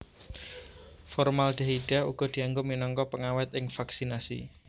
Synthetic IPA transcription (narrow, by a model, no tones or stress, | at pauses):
fɔrmalɖ̪̥a̤ɦiɖ̥a̤ṵɡ̥ɔ̤d̪̥i̤aŋɡʊminɔŋkɔpəŋawɛt̪ɪŋfaksinasḭ